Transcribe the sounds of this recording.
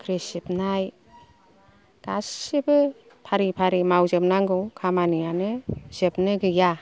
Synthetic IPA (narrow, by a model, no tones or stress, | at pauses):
kʰɾesip̚naj | d̥asibɯ | pʰaɾipʰaɾimawzɯp̚naŋɡɯwkʰamanɯjanɯzɯp̚nɯɡɯja